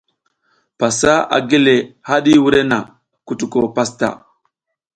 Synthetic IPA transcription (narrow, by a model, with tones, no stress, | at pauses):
pa˨sa˦a̰˨ɡi˦le˨ha˦ɗi˦wu˦ɾe˦na˨ | ku˨tu˨ko˨pa˦sta̰˨